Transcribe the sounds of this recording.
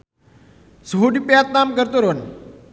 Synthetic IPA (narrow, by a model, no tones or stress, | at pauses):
sɦoɖipjat̪̚namkəɾt̪oɾon